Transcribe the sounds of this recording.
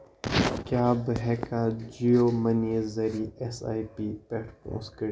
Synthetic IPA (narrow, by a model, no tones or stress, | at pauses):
kjaːbəɦɛːkad͡ʒioːmɐnizɐɾiːɛsa̰ːipiːpɛːʈfõ̰ːskɐɾ